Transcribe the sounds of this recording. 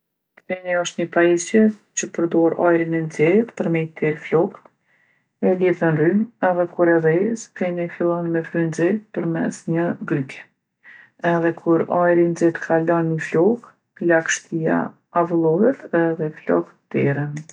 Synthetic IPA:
kɛniɔʃt̪ɲəpaisjɛt͡ɕəpəɾd̪ɔɾa̰jɾinɛnd͡zɛt̪pəɾmɛjt̪ɛɾflɔk̪ | ɛliðənrynɛðɛkuɾɛɾɛskɛnɛfilˠɔnmɛfynzɛt̪pəɾmɛ̰sɲəɡɾykɛ̥ | ɛðɛkʰuɾajɾind͡zɛt̪kʰalɔnːəflɔk | lakʃt̪ia̰ | avulˠɔhɛt̪ɛðɛflɔ̰k | t̪ɛɾən

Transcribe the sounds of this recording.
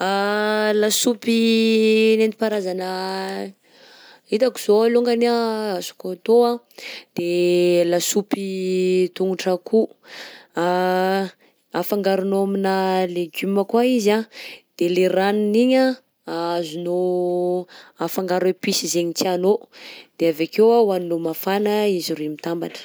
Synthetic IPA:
alasupi | nent̪i̥paɾazanə | it̪aki̥z̥oaloŋɡanaasu̥kot̪oa | d̪̥elasupit̪uŋuʈ͡ʂaku | afaŋɡaɾunoaminəleɡyməkwaizad̪̥eleɾaniniɲa | azuno | afaŋɡaɾepisizeɲit͡sianod̪̥eavakewawaninomafanəiziɾimit̪amba̰nə̥

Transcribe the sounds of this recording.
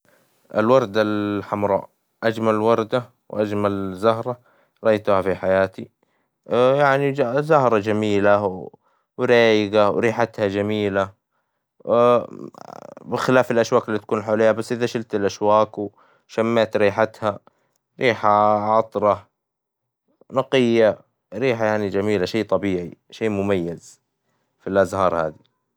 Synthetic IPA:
ʔɪ̰lwɑɾˤd̪alħamɾˤɑ̰ː | ʔad͡ʒmalwɑɾˤd̪a | wʔad͡ʒmalzahɾˤɑ | ɾˤɑʔajt̪ʊhafiħajaːt̪i | jaʕniazahɾˤɑd͡ʒamiːla | wɪɾaːjɪɡawɾiːħat̪had͡ʒamiːla | bɪxɪlaːfɪlʔaʃwaːkɪlːiːt̪ḁkuːnħawleːhabasːʔɪðaʃɪlt̪ɪlʔaʃwaːkw | ʃamːaːt̪ɾiːħat̪ha | ɾiːħaʕɑt̪ˤɾˤɑ | nɑqɪjːa | ɾiːħajaʕnid͡ʒamiːlaʃeːt̪ˤɑbiːʕiʃeːmʊmajːaz | filʔazhɑːɾˤha̰ːd̪i

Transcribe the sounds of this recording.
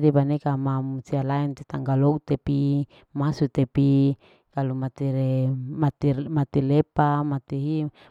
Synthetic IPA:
dipanekamamusialaɛnt̪it̪aŋɡalɔɡt̪epi | masut̪epi | kalumat̪iɾemat̪imat̪ilepamat̪iɦi

